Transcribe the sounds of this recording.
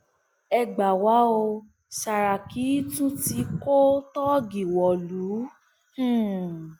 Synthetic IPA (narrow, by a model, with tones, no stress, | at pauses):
ɛ˧ɡ͡ba˨wa˨˦o˧ | ʃa˨ɾa˨ki˨˦tũ˦ti˧ko˦tɔ˦ɡi˨wɔ˨lũ˨˦˨